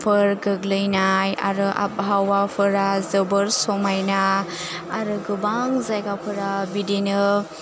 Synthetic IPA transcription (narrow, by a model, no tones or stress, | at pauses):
pʰɯɾɡɯɡlɯjnaja̰ɾɯʔa̰p̚ɦawapʰɯɾazɯbɯɾsɔmajnaː | ɾɯɡɯbaŋzajɡapʰɯɾabidinɯ